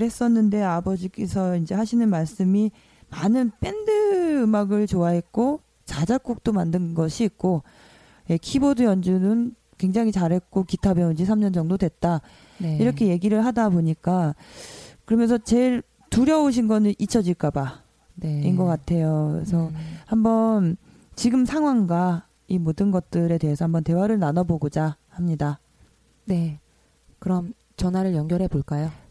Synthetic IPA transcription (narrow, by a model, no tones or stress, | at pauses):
ɾɦe̞s͈ʌnːɯnde̞abʌd͡ʑik͈e̞sʰʌind͡ʑe̞ɦaɕʰinɯnmaɭs͈ɯmi | manɯnp͈ʰe̞ndɯɯmaɡɯɭt͡ɕoaɦe̞t̚k͈o | t͡ɕad͡ʑak̚k͈uk̚t͈omandɯnɡʌɕʰiːk̚k͈o | je̞kʰibodujʌnd͡ʑunɯn | kwe̞ŋd͡ʑaŋɦit͡ɕaɾɦe̞t̚k͈okitʰabeund͡ʑisʰamɲʌnd͡ʑʌŋdodwe̞t̚t͈a | iɾʌkʰe̞je̞ɡiɾɯɭɦadaboɲik͈a | kɯɾʌmjʌnsʰʌt͡ɕe̞ɭ | tuɾjʌoɕ̬ʰinɡʌnɯʔit͡ɕʰʌd͡ʑiɭk͈aba | neinɡʌk͈atʰe̞joesʰʌhambʌn | t͡ɕiɡɯmsʰaŋɦwaŋɡwa | imodɯnɡʌt̚t͈ɯɾe̞dwe̞ɦesʰʌhambʌnte̞waɾɯɭnanʌboɡod͡ʑahamɲida | ne̞ | kɯɾʌm | t͡ɕʌnwaɾɯɭjʌŋɡjʌɾɦe̞boɭk͈ajo